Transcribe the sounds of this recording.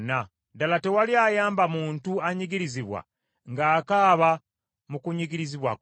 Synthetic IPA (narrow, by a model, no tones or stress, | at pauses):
na | dalate̞waliajaːmbamuːntuaɲiɡiɾiziβwa̰ | ŋɡaːkaːβa | mukuɲiɡiɾiziβwa̰k